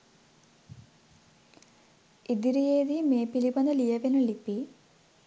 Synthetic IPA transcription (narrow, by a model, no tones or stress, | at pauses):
id̪iɾijeːðimeːpilibɐnd̪ɐlijɐʋinuɭipːi